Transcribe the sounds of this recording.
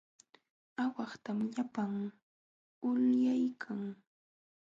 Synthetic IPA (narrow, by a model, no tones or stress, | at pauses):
awɑχt̪amʎapaŋ | ʊljajkʰaŋ